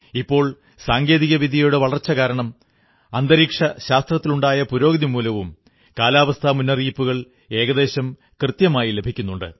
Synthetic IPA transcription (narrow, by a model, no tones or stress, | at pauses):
ipːo̞ːɭ | saːŋɡe̞ːðiɣɐʋiðʱijouɽɨʋɐɭɐrt͡ɕːɐkaːɾɐɳɐm | ɐnd̪ɐɾiːkʂɐɕaːst̪rɐt̪ːiluɳɖaːjɐpuɾo̞ːɡɐðimuːlɐʋum | kaːlaːʋɐst̪ʰamunːɐriːpːuɣɐɭ | e̞ːɣɐðe̞ːɕɐm | krɨt̪jɐmaːjile̞bʱikʲːunːuɳɖɨ̰